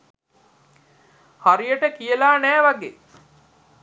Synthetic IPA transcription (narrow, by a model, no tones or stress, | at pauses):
haɾijəʈəkijəlaːnæːʋaɡḛː